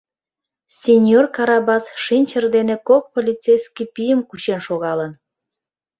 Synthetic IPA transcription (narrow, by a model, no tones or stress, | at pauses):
sʲenʲjorkɑɾɑbɑsʃinʲt͡ɕərd̪enekok̚polʲit͡sejskipijəmkut͡ɕenʃoɣɑlən